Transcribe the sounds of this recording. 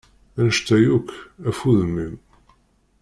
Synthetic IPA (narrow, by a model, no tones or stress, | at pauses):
ænəʃt̪æjukæfuðəmːim